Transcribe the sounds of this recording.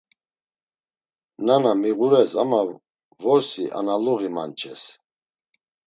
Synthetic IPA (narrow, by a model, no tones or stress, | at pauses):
nanamiʁuɾɛsama | vɔɾsiʔa̰naluɣima̰nt͡ʃʰɛs